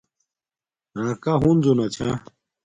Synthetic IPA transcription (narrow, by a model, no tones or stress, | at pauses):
ɾãːkaɦund͡zonat͡ɕʰã